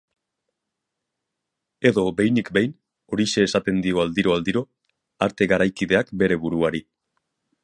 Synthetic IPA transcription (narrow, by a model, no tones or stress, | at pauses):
e̞ðo̞be̞jnikbejn | o̞ɾise̞ːsat̪e̞nd̪io̞ald̪iɾo̞ald̪iɾo̞ | aɾt̪e̞ɣaɾajkiðe̞akbe̞ɾe̞βuɾuaɾi